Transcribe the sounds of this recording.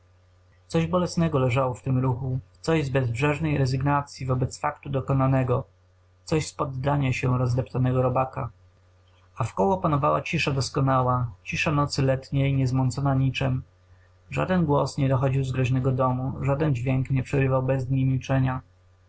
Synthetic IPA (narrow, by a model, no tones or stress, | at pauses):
t̪sɔʑbɔlɛsnɛɡɔlɛʐawɔft̪ɘmɾuxut̪sɔʑzbɛzbʐɛʐnɛjɾɛzɘɡnat̪sʲjivɔbɛt̪sfakt̪ud̪ɔkɔnanɛɡɔ | t̪sɔɕspɔd̪ːaɲaɕɛɾɔzd̪ɛpt̪anɛɡɔɾɔbaka | afkɔwɔpanɔvawa̰t͡ɕiʂad̪ɔskɔnawat͡ɕiʂanɔt̪sɘlɛt̪ɲɛjɲɛzmɔnt̪sɔnaɲit͡ʂɛm | ʐa̰d̪ɛnɡwɔsɲɛd̪ɔxɔd͡ʑiwzɡɾɔʑnɛɡɔd̪ɔmuʐad̪ɛnd͡ʑvʲjɛŋkɲɛpʂɛɾɘvawbɛzd̪ɲijmʲilt͡ʂɛɲa